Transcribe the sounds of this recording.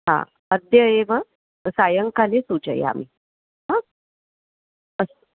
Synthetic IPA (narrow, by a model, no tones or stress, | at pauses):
ɦã̰ | əd̪jəeʋə | sajəŋkalesud͡ʑə̰ja̰m̤ḭ | ɦã | əs